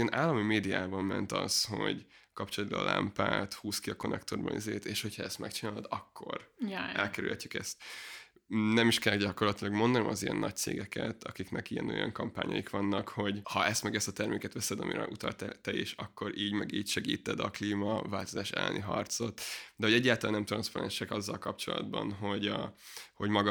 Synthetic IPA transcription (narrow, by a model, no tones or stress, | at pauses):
ɛnʔaːlːɒmimeːd̪ijaːbɒmmɛnt̪ɒsho̞̰ɟkɒpt͡ʃolɒd̪̚bɒl̰ːlʔa̰mpaːt̪huːskiɒko̞nɛkt̪o̞rbɒnizeːt̪eːʃho̞cʰhɒɛst̪mʔɛkt͡ʃinaːlod̪ɒkʰːo̞rjʔɛlkɛɾʉ̰lhɛcːykɛst̪ | nɛmiʃkɛlːɛɡɟɒko̞rlɒt̪ilɒɡmo̞nd̪ɒnɔmɒzijɛnːɒc̚t̪sḛːɡɛkʰɛt̪ɒkiknɛkijɛno̞̰jɒ̰ŋkɒmpa̰ːɲɒ̰jikʋɒnːɒkho̞ɟhɒʔɛst̪mɛɡɛst̪ɒt̪ɛrmeːkɛt̪ʋɛsɛd̪ɒmḭɾɛ̰ʔut̪ɒlt̪ɛt̪ɛjeːʃɒkːo̞ɾʔiːɟmɛɡiːcʃɛɡḭːt̪ɛd̪ɒkliːmɒvaːlt̪o̞zaːʃɛ̰lːɛ̰nʔiɦɒrt̪so̞t̪d̪ɛho̞ɟɛɟːaːlt̪laːnːɛmt̪rɾɒnspɒɾɛnʃɛkɒzːɒlkɒp̚t͡ʃo̞lɒ̰d̪bɒ̰nɦoɟ | ho̞ɟmɒɡɒ